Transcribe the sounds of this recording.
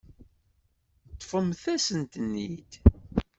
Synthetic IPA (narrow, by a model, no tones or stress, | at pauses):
t̪ːˤfəmθæsənt̪ənːid̪